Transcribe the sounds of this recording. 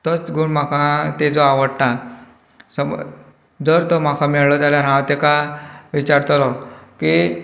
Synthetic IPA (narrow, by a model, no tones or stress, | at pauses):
t̪ət͡sɡuɳmakʰãt̪ed͡zɔaʋəɽʈã | səm̰ | d͡zəɾt̪ɔm̤akʰãmɛɭlɔd͡zaljaɾãwt̪ekaʋit͡ɕaɾt̪lɔki